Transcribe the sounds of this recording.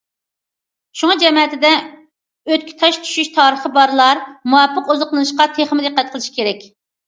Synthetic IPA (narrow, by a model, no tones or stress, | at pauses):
ʃuŋɑd͡ʒɛmɛt̪ʰɪd̪ɛ | øt̪̚kʲʰi̥t̪ʰɑʃt͡ʃ̪ʰy̥ʃyʃt̪ʰɑːɾəχəbɑɾlˠɑɾmuwɑpʰːəqozʊqlˠɨnɨʃqɑt̪ʰeχmɪd̪ɨqːɛt̪̚qʰəlˠɨʃi̥kʲeɾɛkʲ